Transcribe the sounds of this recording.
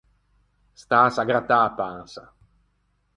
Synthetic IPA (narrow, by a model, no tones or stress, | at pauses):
st̪aːsaɡɾat̪aːpansa